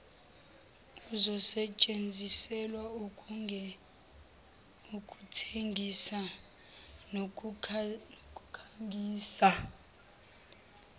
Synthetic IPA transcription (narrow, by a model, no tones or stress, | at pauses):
uzɔsɛt͡ʃʼend͡zʱisɛlwau | ukʼutʰeŋʱisa | nokʼukʰaŋɡʱiːsa